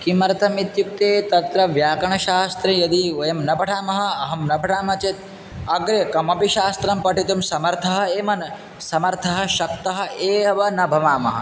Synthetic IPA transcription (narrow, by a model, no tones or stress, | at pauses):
kimɐɾɐt̪ʰɐmit̪juk̚t̪eːt̪ɐt̪ɾɐʋjaːkɐɳɐʃaːst̪ɾejɐd̪iojɐmnɐbʱɐʈʰaːmɐɦɐ̆ɐɦɐmnɐbʱɐʈʰaːmɐt͡ʃet̪̚ | ɐɡɾeːkɐmɐpiʃaːst̪ɾɐmpɐʈʰit̪umsɐmɐɾt̪ʰɐɦɐ̆eːmɐn | sɐmɐɾt̪ʰɐɦɐ̆ʃɐkt̪ɐɦɐ̆eːɦɐʋɐnɐbʱɐmaːmɐɦɐ̰̆